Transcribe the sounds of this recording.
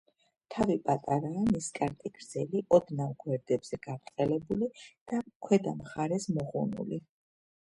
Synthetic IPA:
t̪ʰavipʼat̪ʼaɾaːniskʼaɾt̪ʼiɡɾz̥ɛliʔɔd̪navɡwɛɾd̪ɛbz̥ɛɡ̥avt̪ʼqʼɛlɛbulid̪̥akʰwɛd̪amχaɾɛsmɔʁṵnṵli

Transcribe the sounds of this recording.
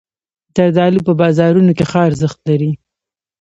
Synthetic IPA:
t̪ad̪ɑlupəbɑzɑɾunokexɑɾzəxt̪laɾi

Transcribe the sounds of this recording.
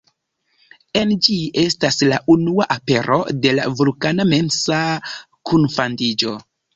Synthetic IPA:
e̞nd͡ʒiʔe̞staslaʔunuaʔape̞ɾo̞̰de̞la̰vulkaname̞nsa | kʰunfandid͡ʒo̞

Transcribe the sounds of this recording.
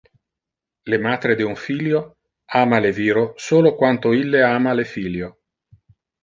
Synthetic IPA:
lemaːt̪ɾed̪iuɱfiljo | aːmaleviːɾosoːlokwant̪oilːeaːmalefiːljo

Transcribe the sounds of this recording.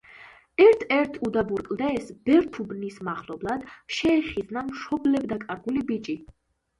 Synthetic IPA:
ɛɾt̪ʰɛɾt̪ʰud̪abuɾkʼld̪ɛːsb̥ɛɾt̪ʰubnismaχlɔblˠad̪̥ʃɛːχid̪znamʃɔblɛbd̪akʼaɾɡulibit͡ʃʼi

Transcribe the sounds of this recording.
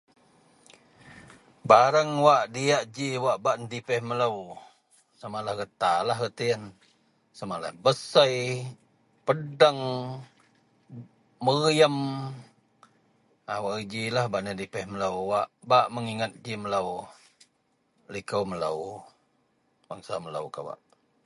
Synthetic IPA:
baɾəŋwaʔdiaʔd͡ʒiwaʔbaʔnədipəhmələw | samalahɡət̪alaɦɡət̪ijən | samaʔla̰hbəsəj | pədəŋ | əɣjəm | awaʔd͡ʒilahbaʔnədipəhmələwwaʔbaʔməŋiŋat̪̚d͡ʒimələw | likəwmələ̰w | baŋsamələ̰wkawa̰ʔ

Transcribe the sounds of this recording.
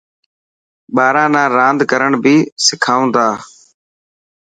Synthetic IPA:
ɓaːɾãːnãːɾãːnd̪ʱkəɾəɳbʱiːsɪkʰaːũːnd̪aː

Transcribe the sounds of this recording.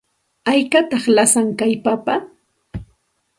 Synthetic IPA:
ajkat̪ɑχlasaŋkajpapa

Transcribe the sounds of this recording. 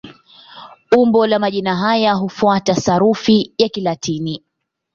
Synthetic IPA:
umbɔlamaʄinaɦajaɦufuatasaɾufijakilatʰini

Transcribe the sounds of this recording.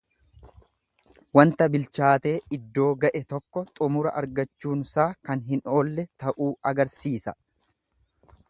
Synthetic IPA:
wɐnt̪ɐbɪlt͡ʃaːt̪e̞ːɪd̪ːo̞ːɡɐʔɛt̪ɔkːɔt̪ʼʊmʊɾɐ̰ʔɐɾɡɐt͡ʃːuːnʊsaːkɐnɦɪno̞ːlːɛt̪ɐʔuːɐɡɐɾsiːsɐ

